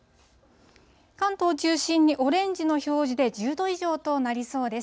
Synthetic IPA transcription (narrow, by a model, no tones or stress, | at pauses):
kãnt̪o̞ːt͡ɕɨːɕĩɲ̟ːiʔo̞ɾẽ̞ɲ̟d͡ʑino̞ço̞ːʑid̪e̞d͡ʑɨːd̪o̞iʑo̞ːt̪o̞naɾʲiso̞ːd̪e̞s